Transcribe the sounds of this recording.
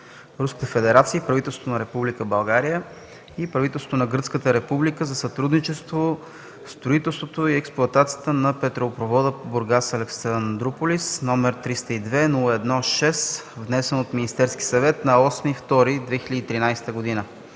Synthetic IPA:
ɾuskə̥t̪əfɛd̪ɛɾat̪siəipɾɐvit̪ɛlˠsvonɐɾɛpublikəbɐlˠɡaɾijə | ipɾɐvit̪ɛlsot̪onɐɡəɾt̪skət̪əɾɛpublikəzɐsɐt̪ɾud̪nit͡ʃɛst̪vo | st̪ɾoit̪ɛlˠst̪vot̪oiɛksplˠoɐt̪at̪sijət̪ənɐpɛt̪ɾopɾovɔd̪əpoboɾɡasɐlɛksand̪ɾopolisnɔmɛɾt̪ɾist̪əid̪vɛnulˠəɛd̪nɔʃɛsvnɛsɛnot̪minist̪ɛɾsk̟i̥sɐvɛt̪nɐɔsnift̪ɔɾid̪vɛxiləd̪iːt̪ɾinajsɛ̥t̪əɡod̪inə

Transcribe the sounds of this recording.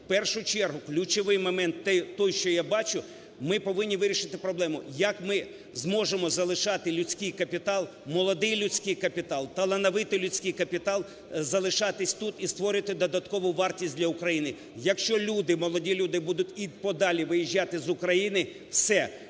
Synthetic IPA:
pɛrʃʊt͡ʃɛrɦʊklʲʊt͡ʃɔʋɪjmɔmɛnt̪ːɛt̪ɔjʃt͡ʃɔjabɑt͡ʃʊ | mɪpɔʋɪnʲːiʋɪɾʲiʃɪt̪ɪpɾɔblˠɛmʊjɐkmɪ | zmɔʒemɔzɐlˠɪʃɑt̪ɪlʲʊt͡sʲkɪjkɐpʲit̪ɑlˠ | mɔlˠɔd̪ɪjlʲʊt͡sʲkɪjkɐpʲit̪ɑlˠt̪ɐlˠɐnɐʋɪt̪ɪlʲʊt͡sʲkɪjkɐpʲit̪ɑlˠ | zɐlˠɪʃɑt̪ɪsʲt̪ut̪ist̪ʋɔɾɪt̪ɪd̪ɔd̪ɐt̪kɔʋʊʋɑrtʲisʲtʲdʲlʲɐʊkɾɐjinɪ | jɐkʃt͡ʃɔlʲud̪ɪmɔlˠɔdʲilʲud̪ɪbud̪ʊtʲipɔd̪ɑlʲiʋɪjiʒʲːɑt̪ɪzʊkɾɐjinɪ | wsɛ

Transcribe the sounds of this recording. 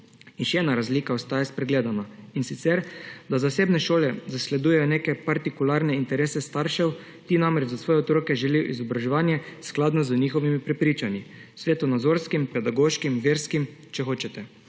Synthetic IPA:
inʃɛɛːnaɾazliːkaɔst̪aːjaspɾɛɡleːd̪anainsit̪sɛɾd̪azaseːbnɛʃoːlɛzaslɛd̪uːjɛjɔneːkɛpaɾt̪ikulaɾnɛint̪ɛɾeːsɛst̪aɾʃɛw | t̪iːnãmɾɛd͡ʒzasʋɔːjɛɔt̪ɾoːkɛʒɛlijɔʔizɔbɾaʒɛʋaːnjɛsklaːd̪nɔzəniːxɔʋimipɾɛpɾiːt͡ʃanisʋeːt̪ɔnad̪zoɾskimpɛd̪aɡoʃkimʋeːɾskimt͡ʃɛxoːt͡ʃɛt̪ɛ

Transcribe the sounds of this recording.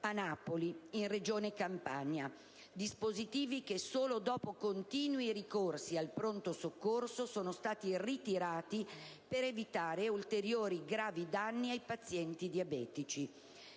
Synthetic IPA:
anaːpoliinred͡ʒoːnekampaɲa | d̪ispozit̪iːvik̟esoːlod̪ɔːpokont̪iːnwirikorsialpɾont̪osokːorsosoːnost̪aːt̪irit̪iɾaːt̪ipeɾevit̪aːɾeult̪eɾjoːɾiɡɾaːvid̪anːiajpat̪sːjɛnt̪id̪iabɛːt̪it͡ʃi

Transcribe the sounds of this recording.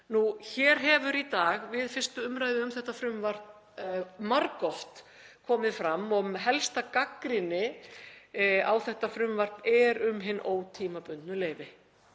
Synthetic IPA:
nuçɛːɾ̥ɦɛvʏɾit̪aːɣvɪðfɪr̥st̪ʏʏmɾaːjðɪʏmθɛht̪ːafɾʏmvar̥t̪n | maɾkɔht̪ | kʰɔːmɪðfɾamːɔmɦɛlst̪akakɾɪnɪ | awθɛht̪afɾʏmvar̥t̪nɛɾʏmɦɪnːoːwt̪ʰiːmapʏnt̪nʏleːjvɪ

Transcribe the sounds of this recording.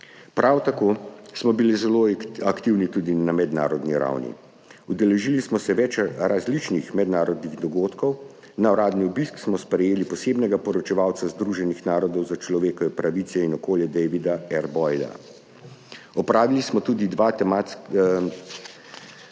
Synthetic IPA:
pɾʔawt̪akoːsmɔbilizɛloakt̪iwnit̪uːd̪inamɛd̪na̰ːɾɔd̪niɾa̰wnḭ | ud̪ɛlɛʒilismɔsɛʋɛt͡ʃɾazlit͡ʃnixmɛd̪naːɾɔd̪niɣd̪ɔɡoːt̪kɔw | naɔɾaːd̪niubisksmɔspɾɛjeːlipɔseːbnɛɡapɔɾɔt͡ʃɛʋaːwt̪sazd̪ɾuʒɛnixnaːɾɔd̪ɔwzat͡ʃlɔʋeːkɔʋɛpɾaʋit̪sɛinɔkoːljɛd̪ɛjʋid̪aɛɾbɔjd̪a̰ | ɔpɾaːʋilismɔt̪ud̪id̪ʋaːt̪ɛma

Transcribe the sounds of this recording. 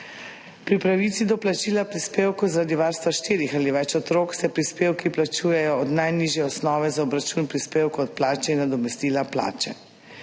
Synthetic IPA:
pɾipɾaʋiːt̪sid̪ɔplat͡ʃiːlapɾispeːwkuzaɾaːd̪iʋaːɾst̪ʋaʃt̪iːɾixaliʋɛt͡ʃɔt̪ɾoːksɛpɾispeːwkiplat͡ʃuːjɛjɔɔd̪najniːʒjɛɔsnɔːʋɛzaɔbɾat͡ʃunpɾispeːwkɔt̪̚plaːt͡ʃɛinːad̪ɔmɛst̪iːlapla̰ːt͡ʃɛ̰

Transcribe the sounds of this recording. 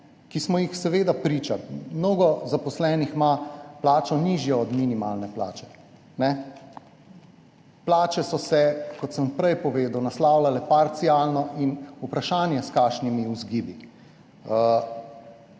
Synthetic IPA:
kismɔjixsɛʋeːd̪apɾiːt͡ʃamnoːɡɔzapɔslɛːnixmaplaːt͡ʃɔniːʒjɔɔd̪minima̰ːlnɛpla̰ːt͡ʃɛ̥ | nɛ | plaːt͡ʃɛsɔsɛkɔt̪səmpɾɛjpɔʋeːd̪əwnaslaːwlalɛpaɾt̪siaːlnɔʔinupɾaʃaːnjɛskaːʃnimiuzɡiːbi

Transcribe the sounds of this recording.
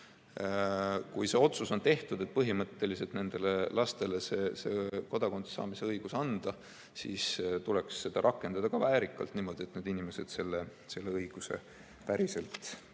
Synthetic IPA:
kujse̞o̞t̪suso̞nt̪e̞ht̪ud̪̥e̞t̪̚ˑpɤɦimɤt̪ːe̞lise̞lt̪ne̞nd̪̥e̞le̞lɑst̪e̞le̞se̞seko̞d̪̥ɑko̞nt̪sɑ̰ːmise̞ɤjɡ̥usɑnd̪̥ɑ | sḭst̪ule̞ksːe̞d̪̥ɑɾʔɑkːˑe̞nd̪̥ɑd̪̥ɑkɑvæːɾikːˑɑ̰lt̪niːmo̞d̪iet̪ned̪̥inime̞se̞d̪se̞lːe | se̞lːe̞ɤjɡ̥use̞̰ | pæɾise̞lt̪ˑ

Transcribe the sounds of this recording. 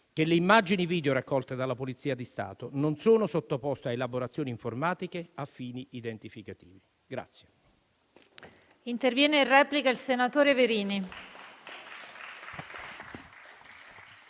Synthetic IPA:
k̟eleimːad͡ʒiniviːd̪eoɾakːɔlt̪ed̪alːapolit̪siːad̪ist̪a̰ːt̪ononsoːnosot̪ːopɔst̪eaelaboɾat̪sːjoːniɱformaːt̪ikeafːiːniid̪ent̪ifikat̪iːvi | ɡɾa̰t̪sːje | int̪ervjɛːneirrɛːplikailsenat̪oːɾeveɾiːni

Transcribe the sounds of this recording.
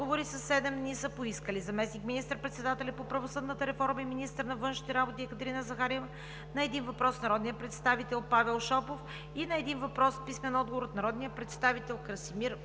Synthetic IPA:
ɡovoɾisəsːɛd̪ɛmd̪nisəpoiskəlizɐmɛsnikminist̪əɾpɾɛt̪sɛd̪at̪ɛlʲɛpopɾɐvosəd̪nət̪əɾɛfɔɾmɐiminist̪əɾnɐvɤnʃnit̪ɛɾabot̪iɛkət̪ɾinəzɐxaɾɛvə | nɐɛd̪invɐpɾɔsnɐɾɔd̪nijəpɾɛt̪st̪avit̪ɛlˠpavɛlˠʃɔpof | inɐɛd̪invɐpɾɔspismɛnɔd̪ɡovoɾot̪nɐɾɔd̪nijəpɾɛt̪st̪avit̪ɛlˠkəɾsimiɾ

